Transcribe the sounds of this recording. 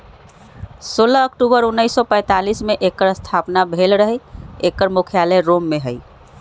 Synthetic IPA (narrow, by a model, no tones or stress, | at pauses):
solaəkʈubəɾunːəɪsːɔpə̃ɪt̪alismeʔekəɾəst̪ʰapnabʱelɾəɦəekəɾmukʰijaləɾomːeɦəj